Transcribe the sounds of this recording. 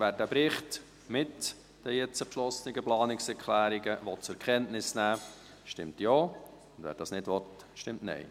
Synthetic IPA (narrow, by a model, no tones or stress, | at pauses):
vʋæːɾdəpɾɪχt | mɪt | d̥əjɛt͡səpʃlɔsənɪɡəplɑːnɪksɛɾkʰlæːɾiɡəʋɔtt͡sɛɾkʰχɛntnɪsnæː | ʃtɪmtjɔː | ʊnd̥ʋæ̰ːɾd̥ɑsnɪdʋɔt | ʃtɪmtnɛ̰ɪ